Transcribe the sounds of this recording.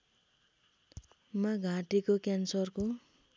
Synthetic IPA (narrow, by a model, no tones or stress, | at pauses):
maɡʱãʈikokansʌrko